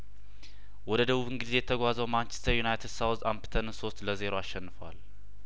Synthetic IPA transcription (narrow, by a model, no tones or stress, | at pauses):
wɔd̪əd̪əβuβɨŋɡizejɛt̪ʰəɡʷazəwmant͡ʃɛ̥st̪ʰəɾjunajt̪ʰed̪sawzampt̪ʰənso̞st̪ləze̞ɾo̞aʃːɛnːɨfəwa̰l